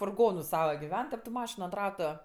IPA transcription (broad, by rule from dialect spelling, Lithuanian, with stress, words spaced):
fʊrˈɡoːnʊ ˈsɑːʋɐ ɡʲɪˈʋʲɛn tʲɛp tʊ ˈmɑːʃʲɪnʊ ɐnt ˈrɑːtʊ